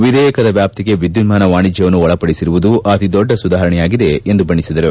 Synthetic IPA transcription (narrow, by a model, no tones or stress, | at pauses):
ʋid̪ɛːjɐkɐd̪ɐʋjaːp̚t̪iɡe̞ʋid̪ːunmaːnɐʋaːɳid͡ʒjɐʋɐnːuɔɭɐpɐɽisiɾuʋud̪uɐt̪id̪ɔɖːɐsud̪aːɦɐɾɐɳɛjaːɡid̪e̞end̪ubɐɳːisid̪ɐɾu